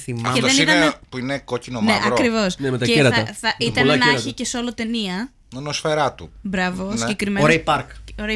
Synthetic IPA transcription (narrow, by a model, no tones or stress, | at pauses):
θimɐeðent̪ɐepuinekocinoneʔɐkɾivo̞snemet̪ɐeeɾɐt̪ɐθɐʔit̪ɐnnɐçicesolot̪e̞niɐ | ɐnosfeɾɐt̪ubɾɐvosiɟekɾimeoɾepɐɾkoɾe